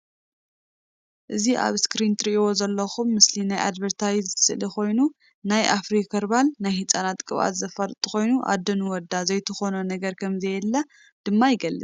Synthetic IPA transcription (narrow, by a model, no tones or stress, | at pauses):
ʔɨziʔa̰βskɾint̪ʰɨɾiʔiwo̞zɐlːɐxumːɨslinajʔa̰d̪βɐɾt̪ʰawizɨsɨlixo̞jnu | najʔafɾikʰɐɾbalnajhɨt͡sʼanat̪kʼɨβa̰t̪zɐfaɾt̪ʼɨxo̞jnuʔa̰d̪ːɐnwɔd̪ːazɐjt̪ʰɨxonɐnɐɡɐɾkʰɐmzɐjɛlːɐ | d̪̥ɨmːajɪɡɐlːɨt͡s̪